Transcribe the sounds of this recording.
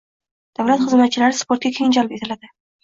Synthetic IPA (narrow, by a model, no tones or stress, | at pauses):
d̪̥avlat̪χɨzmat̪̚t͡ʃʰɪlaɾɪspoɾt̪̚ɡʲakʲʰeŋɪnd͡ʒɒlɪpet̪ʰɪlad̪ɪ